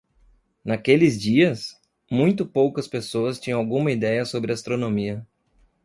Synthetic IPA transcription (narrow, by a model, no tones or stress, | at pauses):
nakelɪzd͡ʒiɐs | mũj̃t̪ʊpowkɐspesoɐst͡ʃĩɲɐ̃awɡũmɐid̪ɛjɐsobɾɪast̪ɾonõmiɐ